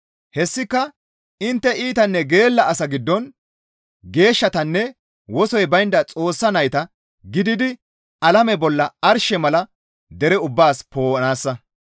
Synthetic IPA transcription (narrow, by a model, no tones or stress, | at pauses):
hɛsːɪkːɐ | ɪnt̪ːɛʔiːt̪ɐnːɛɡe̞ːlːɐʔɐsɐɡɪd̪ːɔn | ɡe̞ːʃːɐt̪ɐnːɛ | wɔsɔjbɐjnd̪ɐt͡sʼo̞ːsːɐnɐjt̪ɐ | ɡɪd̪ɪd̪ɪ | ɐlɐmɛbɔlːɐɐɾʃɛmɐlɐ | d̪ɛɾɛʊbːaːspoːʔɐnaːsːɐ